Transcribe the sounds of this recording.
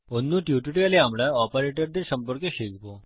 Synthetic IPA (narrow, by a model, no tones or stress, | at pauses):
onːũːʈjuʈiʈialeamɭaɔpəɾeʈəɾd̪eɾsəmpəɾkəɕeɡpo